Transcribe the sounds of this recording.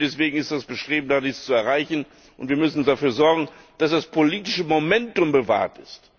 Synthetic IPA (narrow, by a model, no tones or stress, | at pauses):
d̥ɛsv̥eːɡŋ̩ɪstd̥asb̥əʃtʁ̥eːbm̩daːdiːst͡suɛɐʁaɪçn̩ | ʔʊntviːɐmʏsn̩dafyːɐzɔɐɡŋ̩ | d̥asd̥aspʰoliːtɪʃəmomɛntʊmbəva̰ːɐtɪst